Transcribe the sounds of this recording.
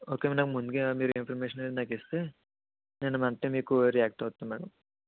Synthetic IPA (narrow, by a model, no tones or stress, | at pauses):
oːkemnaːɡmund̪ɡemiːɾuinpʰɐɾmeʃɐnɐlnaːkest̪e | nenːɐmɐnt̪ːemiːkuɾijaːk̚ʈoːt̪ːemɛːɽɐm